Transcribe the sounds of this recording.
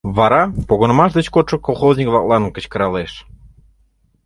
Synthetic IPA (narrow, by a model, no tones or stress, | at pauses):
βɑɾɑpoɣə̆nə̆mɑʃ̬d̪ĕt͡ɕkot̪ʃə̆kolˠxoznʲikβlˠɑklˠɑnkə̆t͡ɕkə̆ɾɑleʃ